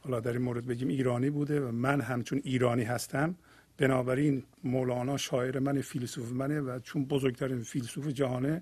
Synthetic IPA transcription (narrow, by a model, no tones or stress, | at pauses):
hɒːlɒːd̪æɾiːnmoːɾed̪̚be̞ɟiːmiːɾɒːniːbuːd̪evæmænɦæmt͡ʃʰoniːɾɒːniːɦæst̪ʰæm | b̥enɒːbæɾinmoːlɒːnɒːʃɒːeɾemænefilsuːfemænevæt͡ʃʰonbozoɾɡt̪ʰæɾinfilsuːfed͡ʒæhɒːne